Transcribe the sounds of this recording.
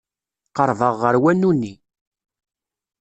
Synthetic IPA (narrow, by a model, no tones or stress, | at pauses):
qəɾˤvəʁːəɾwænːunːi